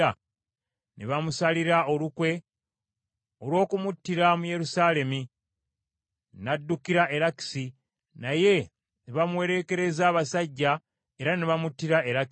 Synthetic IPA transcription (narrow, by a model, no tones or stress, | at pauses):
a | niβamusaliɾao̞lukwe̞ | olwo̞ːkumutːiɾamuje̞ɾusaːle̞mi | nadːukiɾaʔe̞ɾaki̥si | naje̞ | niβamwe̞ːɾe̞ke̞ɾe̞zaːβasaɟːa | e̞ɾaniβamutːiɾae̞ɾak